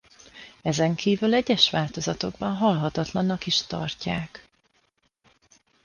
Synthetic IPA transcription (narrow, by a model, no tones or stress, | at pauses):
ɛzɛŋkʰiːvylɛɟːɛʃʋaːlt̪o̞zɒt̪o̞ɡbɒnɦɒlɦɒt̪ɒt̪lɒnːɒkiʃt̪ɒ̰rcaːk